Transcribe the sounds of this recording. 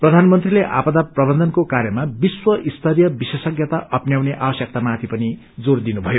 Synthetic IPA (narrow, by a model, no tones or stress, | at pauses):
prʌd̪ʱanmʌnt̪rileʔa̰pʌd̪aprʌbʌnd̪ʱʌnkokaɾjʌmabiswʌʔist̪ʰʌrjʌbisesʌɡjʌt̪aʔʔʌpnjawneʔabʌsjʌk̚t̪amat̪ʰipʌni | d͡zord̪inubʱʌjo